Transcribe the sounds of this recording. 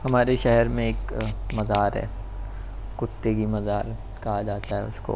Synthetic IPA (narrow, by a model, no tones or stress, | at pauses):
hɐmaːɾeʃɛɦɛɾmẽeːkmɐzaːɾɦɛ̰ː | kʊt̪ːekimɐzaːɾ | kɐɦad͡ʒaːt̪aɦɛ̰ʊsko̰ː